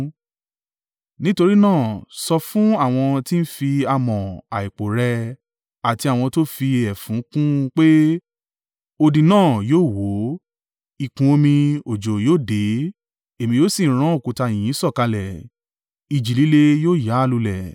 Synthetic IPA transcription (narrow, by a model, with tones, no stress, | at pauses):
nĩ˦to˧ɾi˦nãː˦˨sɔ˧fũ˦a˦˨w̃ɔ̃˧ti˦n̩˦fi˧a˧mɔ̃˨a˨i˨k͡po˨ɾɛ˧ | a˨ti˧a˨w̃ɔ̃˧to˦fi˧ɛ˨fũ˨˦kũ˦k͡pe˦ | o˧dĩ˧nãː˦˨joː˦˨wo˨˦ | i˦˨kũ˧o˧mĩ˧o˨d͡ʒo˨joː˦˨de˨˦ | e˨mĩ˧joː˦si˦˨˦ɾ̃ã˦o˦˨ku˨ta˧˨j̃ĩ˨ĩ˨˦sɔ˦˨ka˧lɛ˨ | i˨d͡ʒi˨li˨˦le˧joː˦˨ja˨˦˨lu˧lɛ˨